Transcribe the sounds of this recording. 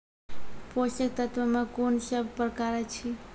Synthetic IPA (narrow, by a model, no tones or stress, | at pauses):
poʃək̚t̪ət̪ʋəmãkonsəbʱpɾəkaɾat͡ʃʰi